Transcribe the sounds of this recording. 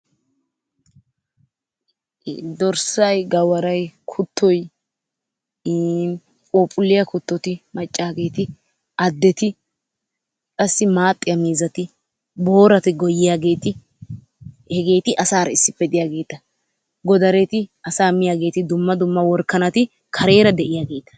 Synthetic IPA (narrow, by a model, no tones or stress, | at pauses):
d̪ɔɾsɐjɡɐwɐɾɐjkʰʊt̪ʰːɔj | n | kʼoːpʼʊlːɪjɐkʊt̪ːɔt̪ɪmɐt͡ʃʼːaːɡe̞ːt̪ɪ | ʔɐd̪ːɛt̪ɪ | kʼɐsːɪmaːt̪ʼːɪjɐmiːzɐt̪ɪ | bo̞ːɾɐt̪ɪɡɔjːɪjaːɡe̞ːt̪ɪ | hɛɡe̞ːt̪ɪʔɐsaːɾɐɪsːɪpːɛd̪ɪjaːɡe̞ːt̪ɐ | ɡɔd̪ɐɾɛt̪ɪɐsaːmɪjaːɡe̞ːt̪ɪd̪ʊmːɐd̪ʊmːɐwɔɾkːɐnɐt̪ɪ | kʰɐɾe̞ːɾɐd̪ɛʔɪjaːɡe̞ːt̪ɐ̥